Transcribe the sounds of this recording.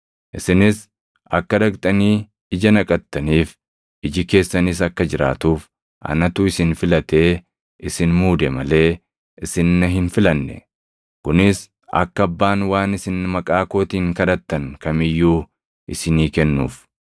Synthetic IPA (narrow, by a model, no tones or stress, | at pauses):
ʔɪsɪnɪs | ʔɐ̰kːɐd̪ɐkt̪ʼɐniː | ɪd͡ʒɐnɐkʼɐt̪ːɐniːf | ɪd͡ʒɪke̞ːsːɐnɪs̬ɐkːɐd͡ʒɪɾa̰ːt̪uːf | ʔɐ̰nɐt̪uːɪsɪnfɪlɐt̪e̞ː | ʔɪsɪnmuːd̪ɛmɐle̞ː | ʔɪsɪnːɐɦɪnfɪlɐnːɛ̰ | kʊnɪs | ʔɐ̰kːɐɐbːaːnwaːnɪsɪnːmɐkʼaːko̞ːt̪iːŋkɐd̪ɐt̪ːɐnkɐmɪjːuː | ʔɪsɪniːkɛnːṵːf